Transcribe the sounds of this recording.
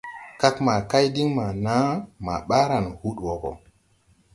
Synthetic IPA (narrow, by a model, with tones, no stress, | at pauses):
ka˦kma˨ka˦jdi˦ŋma˨na˦ma̰˨ɓa˦ɾa˨nhu˦ɗwo˨ko̰˨